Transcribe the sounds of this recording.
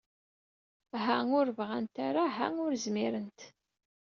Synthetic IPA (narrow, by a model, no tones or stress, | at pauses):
ɦæʊɾvʁant̪aɾaɦaʊɾzmiɾənt̪